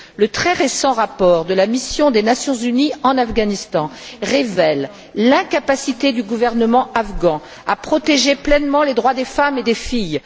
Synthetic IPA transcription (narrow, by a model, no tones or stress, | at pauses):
lət̪χɛʁesɑ̃ʁapɔʁd̪əlamisjɔ̃d̪enasjɔ̃zyniɑ̃nafɡanist̪ɑ̃ʁevɛlː | ɛ̃kapasit̪ed̪yɡuvɛʁnəmɑ̃afɡɑ̃ | apχɔt̪eʒeplɛnmɑ̃led̪ʁwad̪efamed̪efij